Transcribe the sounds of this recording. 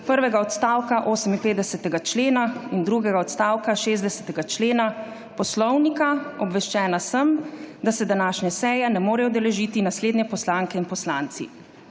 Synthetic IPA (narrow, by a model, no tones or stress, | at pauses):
pəɾʋɛɡaɔt̪st̪aːwkaʔoːsəminpeːd̪d̪ɛsɛt̪ɛɡat͡ʃleːnaind̪ɾuɡɛɡaɔt̪st̪aːwkaʃeːzd̪ɛsɛ̥t̪ɛɡat͡ʃleːna | pɔslɔwnikaɔbʋɛʃt͡ʃɛːnasəmd̪asɛd̪anaːʃnɛsɛːjɛnɛmoːɾɛjɔd̪ɛlɛʒiːt̪inasleːd̪nɲɛpɔslaŋkɛinpɔslaːnt̪sḭ